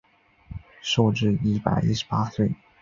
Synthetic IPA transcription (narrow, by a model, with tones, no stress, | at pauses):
ʂo˥˧ʊʈ͡ʂɻ̩˥˧i˥˩pa̰˨˩ɪʔi˥ʂɻ̩˧pa˥swe˥˩ɪ